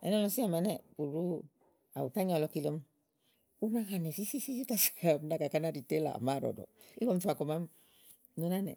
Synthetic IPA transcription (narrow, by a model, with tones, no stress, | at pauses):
ɛ̰˨n˦ɔ˦lɔ˦si˦a˨ma˨nɛ˨u˨ɾu˦ | a̰˨u˨ta˦ɲɔ˨lɔ˨˧ki˧lo˦m | u˦ma˦ka˨nɛ˨si˦si˦si˦si˦ta˦sḁ˨m˦da˨ka˨ka˦na˦ɾi˨te˦la̰˨ma˦˨ɾɔ̰˨dɔ̰˨ | i˦kɔ˦m˦tu˦a˨kɔ˨ma˦m | nu˦na˦nɛ̰˨